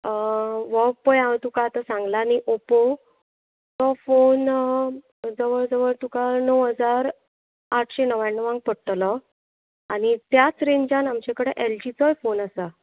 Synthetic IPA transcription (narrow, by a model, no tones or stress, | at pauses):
ʋɔpəjat̪ukat̪asãŋɡlaniʔopo | t̪ɔfon | d͡zəʋəɭd͡zəʋəɭt̪ukanəwɦəd͡zaɾ | aʈʰɕenəʋanːəʋãŋɡ̚pəɽʈ̪lɔ | aɽ̃it̪jat͡sɾeɲd͡ʑanamt͡ɕekəɽeʔeld͡ʑit͡sɔjfonasa